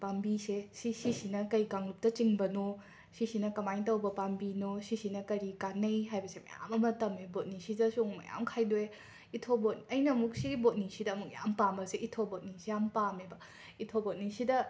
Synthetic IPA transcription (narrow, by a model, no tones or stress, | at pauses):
pambisesisisinɐkɐjkaŋlup̚tɐt͡ʃiŋbɐno | sisinɐkɐmajtɐwbɐpambinosisinɐkɐɾikanɐjɦajbɐsemɐ̰ja̰mɐmɐtɐmebot̚nisidɐsuŋmɐ̰ja̰mkʰajdoe | itʰobot̚nɐjnɐmuk̚siɡibot̚nisidɐːmuk̚ja̰mpambɐseʔitʰobot̚nisijampamebɐ | itʰobot̚nisidɐ